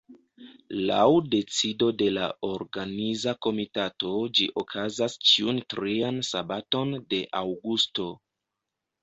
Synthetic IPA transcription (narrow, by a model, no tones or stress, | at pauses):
la̰wde̞t͡sido̞de̞la̰o̞ɾɡanizako̞mitato̞d͡ʒiʔokʰazast͡ʃiuntɾiansabato̞nde̞ʔawɡusto̞